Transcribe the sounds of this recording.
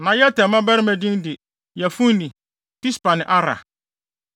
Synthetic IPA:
nã˨jɛ˦tʰɛ̃˨mã˦bɛ˦ɾɪ˦mæ̃˨dĩ˦ndɪ˨ | jɛ˨fũ˦n˦nĩ˨ | ti˦spa˨nɪ̃˨ʔa˦ɾa̰˨

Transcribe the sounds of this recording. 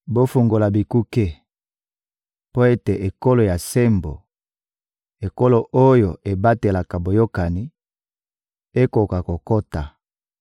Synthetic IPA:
bo˦fu˨ŋɡo˨la˨bi˨ku˦ke˦ | po˦e˦te˨ʔe˨ko˦lo˨ja˨se˦mbo̰˨ | e˨ko˦lo˨ʔo˦jo˨e˨ba˦te˨la˨ka˨bo˨jo˦ka˨ni˦ | e˦ko˨ka˨ko˨ko˦ta˨

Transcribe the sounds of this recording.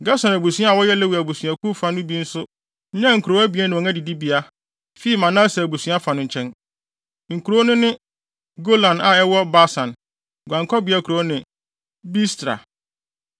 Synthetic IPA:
ɡa˦sɔ̃˨næ˨bu˨sĩ˦a˦a˨wɔ˦jɛ˦lɛ˦wu˨æ˨bu˨sɥa˨ku˦fã˨nʊ̃˦bi˦n̩˦sʊ˦ | ɲã˦ŋ̩˨kʰɾo˨˦æ˦bi˨ɛ˦nɪ̃˨ɔ̃˨ŋã˦di˨di˦bi˨a˦ | fi˦i˦˨mã˨nã˦sɛ˨bu˨sũ˨˦a˦fa˨nʊ̃˨ɲ̩˨t͡ɕʰɛ̃˦n | ŋ̩˨kʰu˨ɾo˦nʊ̃˦nɪ̃˦ | ɡo˦lã˨na˨ɛ˦wɔ˦ba˦sã˨n | ɡʷã˨ŋkʰɔ˦bi˨˦a˦kʰu˨ɾo˨˦nɪ̃˨ | bi˦stɾa̰˨

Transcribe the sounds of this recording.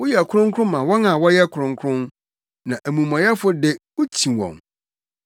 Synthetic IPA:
wʊ˦jɛ˦˨kʰʊ˦ɾʊ̃˦ŋkʰʊ˦ɾʊ̃˦mã˨wɔ˦nã˨wɔ˦jɛ˦kʰʊ˨ɾʊ̃˨ŋ˦kʰʊ˦ɾʊ̃˦n | nã˨ʔæ˨mũ˨mã˨jɛ˦fʊ˦dɪ˦wʊ˦t͡ɕʰĩ˨wɔ̰̃˨m

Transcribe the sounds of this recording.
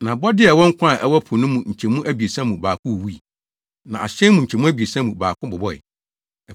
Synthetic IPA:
nã˨bɔ˦dɪ˦ɛ˨wɔ˦ŋ̩˦kʰʷã˦˨ʔɛ˦wɔ˦pʰʊ˨nʊ̃˦mũ˨ɲ̩˨t͡ɕʰɛ̃˨mũ˦ʔæ˦bi˨e˨sã˦mũ˨baː˨kʰʊ̃˦˨wu˦i˨ | nã̰˨a˨ɕɛ̃˦mũ˨ɲ̩˨t͡ɕʰɛ˨mũ˦æ˦bi˨e˨sã˦mũ˨baː˨kʰʊ̃˦bɔ˨bɔ˦ɛ̰˨

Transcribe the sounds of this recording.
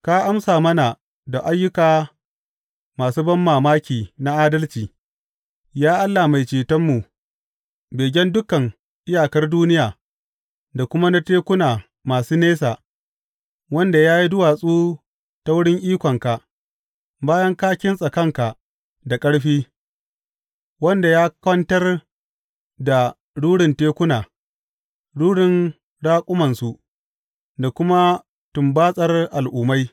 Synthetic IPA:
ka˦ʔa˦msaː˨mɐ˦na˨ | da˨ʔa˦jːʊ˦kaː˨ | maː˨suː˦bɐ˦mːaː˨maː˦kʲiː˨na˦ʔaː˦dɐ˦lt͡ʃiː˨ | jaː˦ʔa˦lːa˨ma˨jt͡ʃeː˨tɐ˦mːu˨ʔ | beː˨ɡʲɐ˦ndʊ˦kɐ˨ŋ | ʔɪ˦jaː˨kɐ˦rduː˦nɪ˦jaː˨ | da˨kʷʊ˦ma˦na˦teː˦kʷʊ˦naː˨ | maː˨suː˦neː˦saː˨ | wɐ˦nda˨jaː˦ji˦dʊ˦waː˨sʼuː˦ | ta˦wʊ˦ɽɪ˦ŋʔiː˦kʷɔ˨ŋka˨ʔ | baː˦jɐ˦ŋkaː˦kʲɪ˦nsʼɐ˨kɐ˦ŋka˨ʔ | da˨kʼɐ˦ɽɸiː˦ | wɐ˦nda˨jaː˦kɐ˦ntɐ˦r | da˨ | ɽuː˦ɽɪ˨nteː˦kʷʊ˦naː˨ | ɽuː˦ɽɪ˨n | ɽaː˦kʷʼʊ˦mɐ˨nsu˨ʔ | da˨kʷʊ˦ma˦ | tʊ˨mbaː˦sʼɐ˦rʔa˨lʔuː˨ma˦j

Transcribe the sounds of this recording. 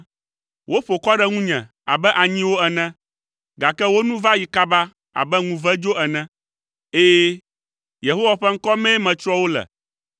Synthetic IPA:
wʔo˦ɸo˨kɔ˦ɖɛ˦ŋũ˦ɲɛ̰̃˨ | a̰˨bɛ˦ʔa˨ɲĩ˦wo˦ɛ˨nɛ̃˦ | ɡa˨kɛ˦wo˦nũ˦va˦ji˨ka˦ba˦ | a̰˨bɛ˦ŋũ˨vɛ˦d͡ʒo˦ɛ˨nɛ̃˦ | e˦jɛ˦ | je˨ɦo˦wa˨ɸɛ˦ŋ̩˦kɔ˦mɛ̃˦mɛ̃˨t͡ʃɾɔ˦wo˦lɛ̰˨

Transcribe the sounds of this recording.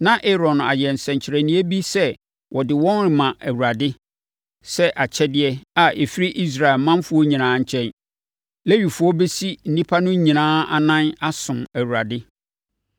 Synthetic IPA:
nã˦ʔe˦ɾɔ̃˨na̰˨jɛ˨n̩˨sɛ̃˨ɲt͡ɕʰɪ˨ɾæ˨nĩ˨˦æ˦bi˦sɛ˦ | wɔ˨dɪ˨wɔ̃˦nɾɪ˨mã˨ʔæ˨wu˨ɾa˨dɪ˦ | sɛ˦ʔa˨t͡ɕʰɛ˦dɪ˦ɛ˦a˨e˨fi˦ɾi˦ʔi˦s̬ɾa˨ɪ˨lmã˦mfʊ˦ɔ˦ɲĩ˨nãː˦ɲ̩˨t͡ɕʰɛ̃˦n | le˦ɥi˨fʊ˦ɔ˦be˦si˦n̩˨nĩ˦pʰa˦nʊ̃˦ɲĩ˨nãː˦a̰˦˨nã˦na˦sʊ̃˨mæ˨wu˨ɾa˨dɪ˦

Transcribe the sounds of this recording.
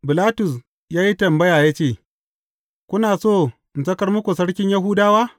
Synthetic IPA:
bɪ˨laː˦tʊ˨s | jaː˦ji˦tɐ˨mbɐ˦jaː˨jaː˦t͡ʃeː˦˨ | kʷʊ˦naː˨soː˦˨ | n˨zɐ˦kɐ˦rmʊ˦kʷu˨sɐ˦ɽkʲɪ˦ɲjɐ˦ɦuː˦daː˦waː˦

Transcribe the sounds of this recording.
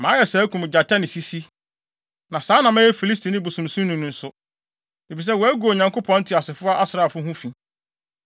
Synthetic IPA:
mã˨˦jɛ˨sa˨˦kʰũ˨m˨d͡ʑa˨tʰa˦nɪ̃˨si˦si˦ | nã˨sãː˨˦nã˨mɛ̃˦jɛ˦fi˨li˦stʰi˨nɪ̃˦bu˨sũ˨m˨sũ˦nũ˨nʊ̃˨n̩˦sʊ˦ | e˨fi˨s̬ɛ˦wɔ˨æ˦ɡu˨o˨ɲã˨ŋkʰo˦pʰɔ̃˦n̩˦tʰɪ˨a˨sɪ˨fʊ˦a˦ʔa˦sɾa˨fʊ˦ɦũ˦fĩ˨

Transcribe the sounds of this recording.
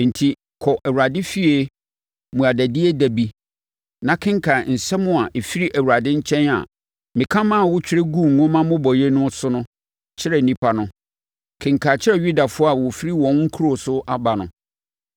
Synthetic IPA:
n̩˨tʰi˨ | kʰɔ˨ʔɛ˨wu˨ɾa˨dɪ˦fi˦e˨ | mũ˨a˨dæ˨dɪ˦e˦dæ˨bi˦ | nã˨kʰɪ̃˦ŋ˦kʰa˨n̩˨sɛ˦mʊ̃˦a˨ʔe˨fi˦ɾi˦ʔæ˨wu˨ɾa˨dɪ̃˦ɲ̩˦t͡ɕʰɛ̃˦na̰˨ | mɪ̃˨kʰã˦mã˦˨wʊ˦t͡ɕᶣɪ˦ɾɪ˦ɡũ˦˨ŋ̩ː˨ŋʊ̃˦mã˦mʊ̃˦bɔ˨je˦nʊ̃˦sʊ˦nʊ̃˦ | t͡ɕʰɪ˦ɾɛ˨nĩ˦pʰa˨nʊ̃˦ | kʰɪ̃˨ŋkʰa˨t͡ɕʰɪ˦ɾɛ˦˨ɥu˦da˨fʊ˦a˨wɔ˨fi˦ɾi˦wɔ̃˨˦ŋŋ̩˦kʰu˦ɾo˨sʊ˦ʔa˦ba˨nʊ̰̃˨

